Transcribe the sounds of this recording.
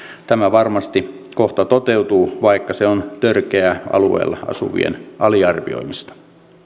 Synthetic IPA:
t̪æmæʋɑrmɑst̪i | koht̪ɑt̪ot̪eut̪uːʋɑikːɑseont̪ørkeæɑ̰luḛːlːɑ̰ɑ̰sṵʋḭḛnʔɑliɑrʋio̞̰imist̪ɑ̥

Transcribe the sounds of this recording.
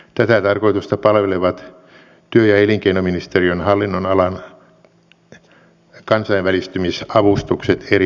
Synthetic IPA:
t̪æt̪æt̪ɑrkoit̪ust̪ɑpɑlʋeleʋɑt̪ | t̪yøjɑeliŋkeinominist̪erionhɑlːinːonɑlɑn | kɑnsɑiʋʋælist̪ymisɑʋust̪ukset̪ʰeri

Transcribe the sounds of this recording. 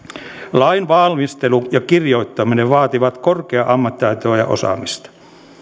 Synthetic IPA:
lɑinʋɑlmist̪elujɑkirjo̞it̪ːɑmineʋʋɑːt̪iʋɑt̪korkeɑʔɑmːɑt̪ːiɑjt̪oːjɑ̰ʔo̰sɑ̰mist̪ɑ̥

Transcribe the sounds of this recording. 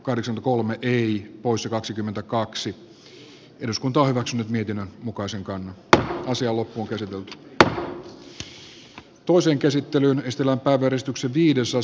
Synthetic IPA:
kɑhdeksɑkmnt̪ækolmeʔeipoisːɑkɑksikymːent̪ækɑksi | eduskunt̪ɑːhyʋæksynːyt̪miet̪inːønmukɑiseŋkɑnːɑɑsiɑːlːopːuoŋkæsit̪elt̪y̥ | t̪oiseːŋkæsit̪ːelyːnesi̥t̪elæmpæiʋæjæɾesit̪ykseʋʋiːdesɑ

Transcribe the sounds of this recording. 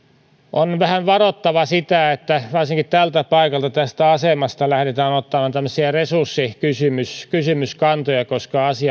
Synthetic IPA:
ʔonʋæhæʋʋɑrot̪ːɑʋɑsit̪æet̪ːæʋɑrsiŋkitt̪ælt̪æpɑikɑlt̪ɑt̪æst̪æɑsemɑst̪ɑlæhɾet̪æːnot̪ːɑmɑnt̪æmːøsiɑresursːikysymyskysymyskɑnt̪ojɑkoskɑɑsiɑ

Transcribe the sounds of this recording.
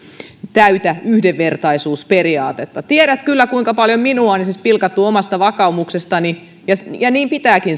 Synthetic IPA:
t̪æyt̪æyhdeʋːert̪ɑisuːsperiɑːt̪et̪ːɑt̪ieɾæt̪kylːækuiŋkɑpɑljomminuɑonisispilkɑt̪ːuomɑst̪ɑʋɑkɑumuksest̪ɑni | jɑjɑniːmpit̪æːkin

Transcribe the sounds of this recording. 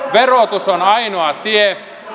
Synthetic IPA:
ʋerot̪usonɑinoɑt̪ie

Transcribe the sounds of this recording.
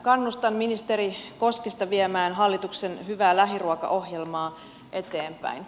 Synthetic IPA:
kɑnːust̪ɑnminist̪eɾikoskest̪ɑʋiemæːnɦɑlːit̪uksenhyʋæːlæɦiruɑkɑ̰ʔo̞hjelmɑː | ʔe̞t̪eːmpæ̰in

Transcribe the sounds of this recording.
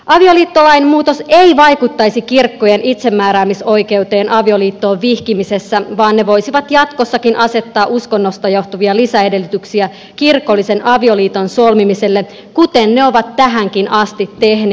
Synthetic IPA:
ʔɑʋioliːt̪ːolɑinemuːt̪oseiʋɑjkut̪ːɑjsikirkːojenʔit̪se̞mːæːɾæːmiso̞ike̞ut̪e̞ːnʔɑʋio̞liːt̪ːo̞ːʋʋihkimisesːæʋɑːnːe̞ʋo̞jsiʋɑt̪jɑt̪kosːɑkinʔɑse̞t̪ːɑːʔuskonːost̪ɑjoht̪uʋiɑlisæede̞lːyt̪yksiæ | kirkolːise̞nʔɑʋioliːt̪onsolmimise̞lːe | kut̪enneo̞ʋɑt̪ːæɦæŋkinɑst̪it̪ːehne

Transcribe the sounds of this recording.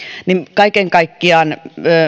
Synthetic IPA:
nimkɑikeŋkɑikːiɑˑnøː

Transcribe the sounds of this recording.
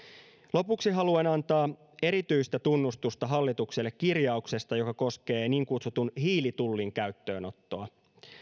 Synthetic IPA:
lo̞puksiɦɑluenɑnt̪ɑː | e̞ɾit̪yist̪æt̪unːust̪ust̪ɑɦɑlːit̪ukselːekːirjɑukse̞st̪ɑjo̞kɑko̞ske̞ːniːŋkut̪sut̪unɦiːlit̪ulːiŋkæyt̪ːø̞ːno̞t̪ːo̞ɑ

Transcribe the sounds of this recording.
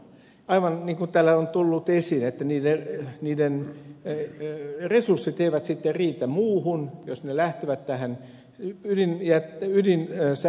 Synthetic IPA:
ɑiʋɑnniːŋkunt̪æːlːæont̪ulːut̪esiːnet̪ːæniːdeniːden | resursːit̪eiʋæt̪sit̪ːeriːt̪æmuːhunjosnelæht̪eʋæt̪tæhæn | ydinjæt̪ydins

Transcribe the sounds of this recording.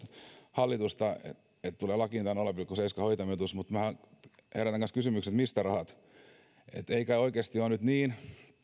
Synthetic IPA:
hɑlːit̪ust̪ɑḛ | et̪t̪uleːlɑkint̪ɑnolepilkuseiskɑhoit̪ɑmet̪usmut̪mæhɑ | heræt̪æŋɡɑnskysymykset̪mist̪ærɑhɑt̪ | ḛt̪eikæoikeːst̪ionyt̪niːn

